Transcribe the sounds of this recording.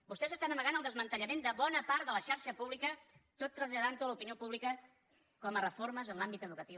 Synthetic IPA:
bust̪ɛzəst̪anəməɣanəlˠd̪əzmənt̪əʎəmend̪əβɔnəpaɾt̪ðələʃaɾʃəpuβlikət̪ot̪ːɾəzʎəðant̪oləupiniopuβlikə | kɔmərəfoɾməzənlambit̪əðukət̪i

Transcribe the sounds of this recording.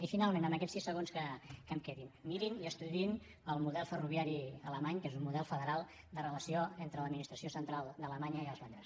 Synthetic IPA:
ifinalˠmenəmbəkɛt͡ssisəɣ̞onskəkəmkɛðinmiɾiniəst̪uðin | əlˠmuðɛlˠfəruβiaɾiələmaɲkezummuðɛlˠfəðəɾalˠ | d̪ərələsioent̪ɾələd̪minist̪ɾəsiosənt̪ɾalˠd̪ələmaɲəiəlˠzβand̪ɾəs

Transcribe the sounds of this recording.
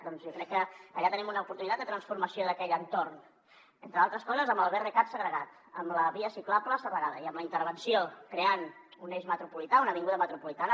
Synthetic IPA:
d̪ɔnzjɔkɾɛkːəːʎat̪ənimunəupuɾt̪unit̪at̪d̪ət̪ɾənsfuɾməsioðəkɛʎənt̪orn | ent̪ɾəalˠt̪ɾəskɔzəzəməlˠβɛrekat̪səɣɾəɣat̪ | əmləβiəsiklabləsəpəɾaðəiəmləint̪əɾβənsiokɾeanuneʒmət̪ɾupulit̪aunəβiŋɡuðəmət̪ɾupulit̪anə

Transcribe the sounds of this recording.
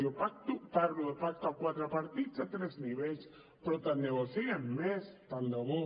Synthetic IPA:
jopak̚t̪uparuepak̚t̪akwat̪ɾapaɾt̪isat̪ɾesniβels | pɾot̪aneɣosiemest̪and̪oβo

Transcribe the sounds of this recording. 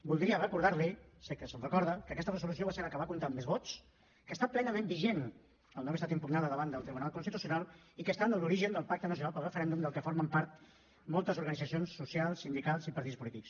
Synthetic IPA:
bulˠd̪ɾiərəkuɾðaɾlisekəsəlrəkɔɾðəkəkɛst̪ərəzulusioβaseɾəkəβakunt̪ammezβɔt͡s | kəːst̪aplɛnəmembiʒen | əlˠnɔwəst̪at̪impunaðəðəβand̪əlˠt̪ɾiβunalˠkunst̪it̪usiunalˠ | ikəst̪anəluɾiʒənd̪əlˠpak̚t̪ənəsiunalpəlrəfəɾɛnd̪umd̪əlˠkəfoɾməmpaɾt̪ | mɔlˠt̪əzuɾɣənid͡zəsionsːusjalˠsind̪ikasipəɾt̪itt͡sspulit̪iks

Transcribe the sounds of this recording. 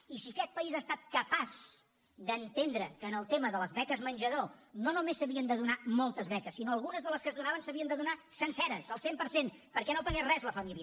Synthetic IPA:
isikɛt̪̚pəizaːst̪at̪̚kəpaz | d̪ənt̪end̪ɾəkəːnəlˠt̪eməðələzβɛkəzmənʲʒəðononumesəβiənd̪əðunamolˠt̪əzβɛkəsːinoəlˠɣ̞unəzðələskəzðunaβənsəβiənd̪əðunasənsɛɾəsəlˠsempəɾsenpəɾkɛnopəɣerɛzləfəmiljə

